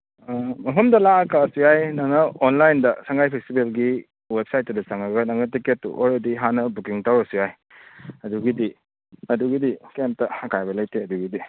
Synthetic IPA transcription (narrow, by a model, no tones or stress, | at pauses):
mɐpʰɐmdɐlaɐkasujajnaŋnɐonlajndɐsaŋɡajpʰestibelɡi | wep̚sajt̚ːɐdɐt͡ʃaŋɐɡɐnaŋnɐtiketːṵʔɔlɾediɦanɐbukiŋtawɾɐsujaj | ɐduɡidi | ɐduɡidikemp̚tɐɐkajbɐlajtʰeɐduɡidi